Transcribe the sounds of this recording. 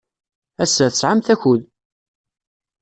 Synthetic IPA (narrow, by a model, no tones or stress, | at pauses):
æsːæθəsʕamθæçʊð